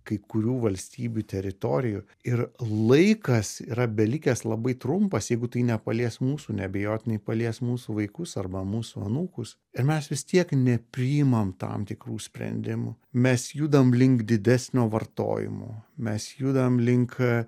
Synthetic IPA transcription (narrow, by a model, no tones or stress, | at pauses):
kɐɪkʊɾʲuːʋɐlʲsʲt̪ʲiːbʲut̪ʲɛɾʲɪt̪oːɾʲɪju | ɪrlˠɐɪkɐsiːɾɐbʲɛlʲikʲɛslˠɐbɐɪt̪ɾʊmpɐsjɛɪɡʊt̪ɐɪnʲɛpɐlʲiɛsmuːsuːnʲɛɐbʲɛjoːt̪ʲɪnʲɐɪpɐlʲiɛsmuːsuʋɐɪkʊsɐrbɐmuːsuɐ̰nuːkʊs | ɪɾmʲɛsʋʲɪst̪ʲiɛknʲɛpʲɾʲɪɪmɐmt̪ɑ̰mt̪ʲɪkruːsʲpʲɾʲɛ̰nʲd̪ʲɪmʊ̰ | mʲɛsjud̪ɐmlʲɪŋkd̪ʲɪd̪ʲæsʲnʲoːʋɐrt̪o̰ːjɪ̰mo̰ːmʲɛsjuːd̪ɐmlʲɪŋk